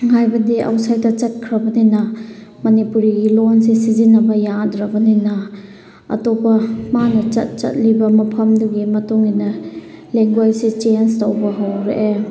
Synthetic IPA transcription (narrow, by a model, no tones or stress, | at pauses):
hajbɐdiɐ̰wsajdɐt͡ʃɐt̚kʰɾɐbɐninɐmɐnipuɾiɡilons̬isizinɐbɐjadɾɐbɐninɐ | ɐ̰topɐmanɐt͡ʃɐ̰t̚t͡ʃɐ̰t̚libɐmɐpʰɐmduɡimɐtuŋinɐ | leŋɡwajsit͡ʃenstowbɐɦɐwɾeʔe